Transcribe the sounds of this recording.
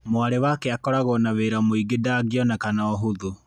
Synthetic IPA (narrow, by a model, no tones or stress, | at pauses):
moaɾewakeakɔɾaɣɔnaweɾamoiɡedaɡjɔnakanaɔɦuðu